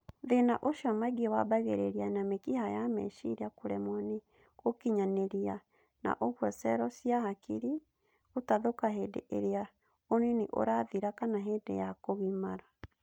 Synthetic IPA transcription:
ðenaʔoʃɔmaɡiewabaɣeɾeɾianamekihajamɛ̰ʃḭɾeakoɾɛmwɔne | okiɲaneɾia | na̰ʔoɣwɔsɛɾɔsijahakiɾi | otaðokaɦedḛʔeɾea | oneniʔo̰ɾaðiɾakanaɦedḛjakoɣimaɾa

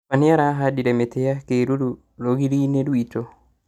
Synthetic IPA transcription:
aniaɾaɦadiɾemetejakeɾuɾu | loɣiɾineɾwito

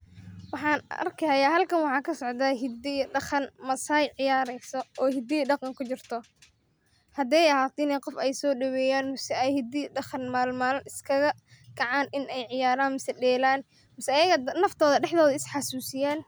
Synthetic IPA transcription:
wɑħɑːnɐ̰rkʰɪhɐjaːɦɐlkʰɐnwɑħɑːkʰɐsɔʕd̪aːɦɪd̪ɪjɖɑχɐnmɐsɐjʕɪjaːɾɛjsɔɔːhɪd̪ijɖɑqɑŋkʰʊt͡ʃɪrt̪ʰɔ | hɐd̪ɛjɐɦaːt̪ʰɪnɛjqɔfɛjsɔːɖɐwɛːjaːnmɪsɛɛjhɪd̪ɪɖɑχɑnmaːlmaːlnʔɪskʰɐɣɐ | ɡ̥ɐʕaːnɪnɛjʕɪjaːɾaːnmɪsɛɖɛːlaːn | mɪsɛːjɐɣɐnɐft̪ʰɔːðɐɖɛħd̪ɔːðɐɪsħɑsuːsɪjaːn

